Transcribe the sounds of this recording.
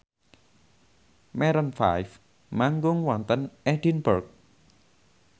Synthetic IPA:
mɛɾənfa̰jf | maŋɡuŋwant̪ənʔɛdinbək̚

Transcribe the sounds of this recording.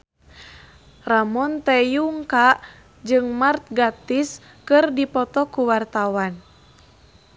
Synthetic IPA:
ramɔnt̪ɛjuŋkaʔ | d͡ʒɨŋmart̪̚ɡat̪is | kɨrdipɔt̪ɔkuwart̪awan

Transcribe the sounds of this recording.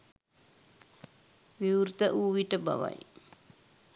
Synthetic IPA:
ʋiurt̪əʔuːʋiʈəba̰ʋa̰j

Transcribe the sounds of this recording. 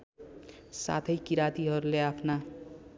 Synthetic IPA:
sa̰t̪ʰʌjkiɾat̪iɦʌɾuleapʰna

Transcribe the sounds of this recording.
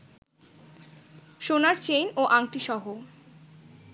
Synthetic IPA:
ʃonaɾt͡ɕejnoʔaŋʈiʃɔɦo

